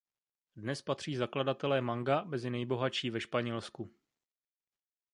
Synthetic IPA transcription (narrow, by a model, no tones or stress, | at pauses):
dnɛspat̪r̝̥iːzakladat̪ɛlɛːmaŋɡamɛzɪnɛjbo̞ɦaʃiːvɛʃpaɲɛlsku